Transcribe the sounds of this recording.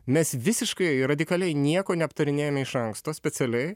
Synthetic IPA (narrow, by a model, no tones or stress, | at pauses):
mʲɛsʋʲɪsʲɪʃkɐɪɾɐd̪ʲɪkɐlʲɛɪnʲiɛkoːnʲɛɐpt̪ɐɾʲɪnʲeːjomʲɛɪʃɐŋkst̪oːsʲpʲɛsʲɛlʲɛɪ